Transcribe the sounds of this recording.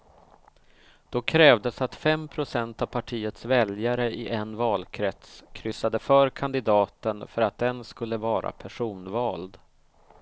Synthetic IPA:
d̪̥ɔkʰɾɛːvd̪əsat̪fɛmpʰɾʊsɛnt̪avpʰaʈʰiːət̪svɛljaɾəʔɪʔɛnvɑːlkʰɾɛt̪skʰɾʏsːad̪əfœːɾkʰand̪ɪd̪ɑːt̪ənfœɾat̪̚d̪ɛnskɵlːəvɑːɾa̰pʰæʂuːnvɑːld̪

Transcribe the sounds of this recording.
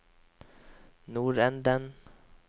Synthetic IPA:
nuːɾɛnd̪ən

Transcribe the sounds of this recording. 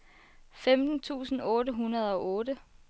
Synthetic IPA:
femd̥n̩t͡sʰṵːsn̩ɔ̽ːdɾəɦunɐð̞ˠɒ̽ʔɔ̽ːɾə

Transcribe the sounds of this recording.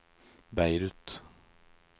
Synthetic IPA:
bæɪɾʉt̪

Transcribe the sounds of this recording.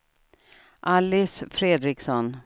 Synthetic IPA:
ʔalːɪsfɾeːd̪ɾɪksɔn

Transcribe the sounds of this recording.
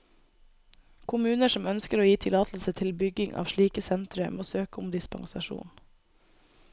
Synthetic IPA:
kʰʊmʉːnəʃɔmœnskəɾoːjiːt̪ʰɪlɑːt̪l̩sət̪ʰɪlbʏɡɪŋʔɑ̰ːʋʃɭiːkəsɛnt̪ɾəmoːsøːkəʊmd̪ɪspɑ̰ŋsɑʃṵːn

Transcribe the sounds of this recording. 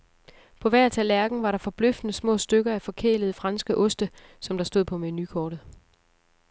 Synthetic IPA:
pʰɒ̽ʋæɐ̰t͡sʰælæɐɡ̥n̩ʋɑ̈ɾɑ̈fɒ̽b̥løfd̥ənəsmɔ̰̽ːsd̥øɡ̥ɐæfɒ̽kʰḛːləð̞̩ˠəfʁɑ̈nsɡ̥əʔɔ̽sd̥ə | sɒ̽md̥ɑ̈sd̥o̝ð̰ˠpʰɒ̽menykʰɒːɾ̥ð̩ˠ

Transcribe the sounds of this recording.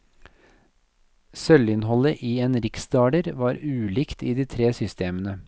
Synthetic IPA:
sœlɪnhɔləʔiːeːnɾɪksd̪ɑːɖəɾʋɑːɾʉːlɪkt̪iːd̪iːt̪ʰɾeːsʏst̪eːmənə

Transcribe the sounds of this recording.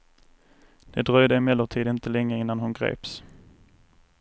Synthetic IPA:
d̪̥ɛd̪ɾœjd̪əɛmɛlːʊt̪ʰiːd̪ɪnt̪əlɛŋːəɪnːanhʊnɡɾḛːps

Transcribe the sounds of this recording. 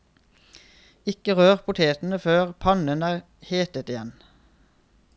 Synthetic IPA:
ɪkəʁøːʁpʰʊt̪ʰeːt̪n̩əføːʁpʰɑnənæːʁ | heːt̪ət̪ɪjɛn

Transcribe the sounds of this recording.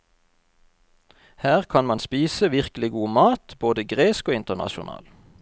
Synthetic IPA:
hæːʁkʰɑnmɑnspiːsəʋɪʁkəlɪɡuːmɑːt̪b̥oːd̪əɡʁeːskoːɪnt̪ənɑ̰ʃʊnɑ̰ːl

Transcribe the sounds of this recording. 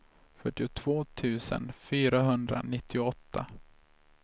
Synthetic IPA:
fœʈːɪʊt̪ʰv̥oːt̪ʰʉ̟ːsə̰nfyːɾaɦɵnd̪ɾa̰nɪt̪ʰːɪʊɔt̪ʰːa

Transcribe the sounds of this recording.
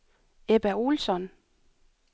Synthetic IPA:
eb̥æulsɒ̽n

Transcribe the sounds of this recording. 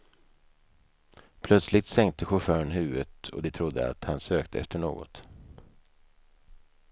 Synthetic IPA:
pʰlœt̪slɪt̪sɛŋk̚t̪əɧʊfœːɾənɦʉ̟ːət̪ɔ̰d̪ɛt̪ʰɾʊd̪ːə̰a̰t̪hansøːkt̪ʰəɛft̪əɳo̰ːɡɔ̰t̪

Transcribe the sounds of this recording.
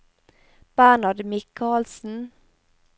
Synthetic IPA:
b̥ænɑd̪mɪkʰɑːlsn̩

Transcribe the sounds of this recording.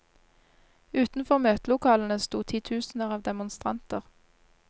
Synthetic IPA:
ʉːt̪n̩fɔʁmøːt̪lʊkʰɑːln̩əst̪uːt̪ʰiːt̪ʰʉːsn̩əʁɑːʋd̪ɛmʊnst̪ʁɑ̰nt̪əʁ

